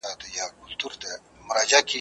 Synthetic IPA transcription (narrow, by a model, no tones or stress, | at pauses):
at̪ejakʊlt̪uɾt̪e | mʊɾaːd͡ʒaki